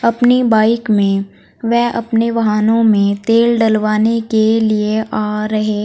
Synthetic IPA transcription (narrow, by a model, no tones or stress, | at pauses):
ɐpnibaːɪkmẽ | ʋɛɦɐpneʋɐɦaːnõmẽt̪eːlɖɐlʋaːnekelieʔaːɾɐɦeː